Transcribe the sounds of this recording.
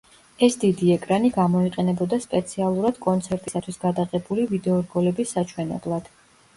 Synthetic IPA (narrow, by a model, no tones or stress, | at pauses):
ɛsd̪id̪iɛkʼɾaniɡamɔiqʼɛnɛbɔd̪aspʼɛt̪sʰialˠuɾad̪̥kʼɔnt̪sʰɛɾt̪ʼisat̪ʰwisɡad̪aʁɛbulivid̪ɛɔɾɡɔlɛbisːat͡ʃʰwɛnɛ̰blˠad̪̥